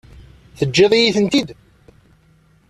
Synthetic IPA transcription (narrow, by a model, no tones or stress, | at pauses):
θəd͡ʒːeðˤijiθənt̪id̪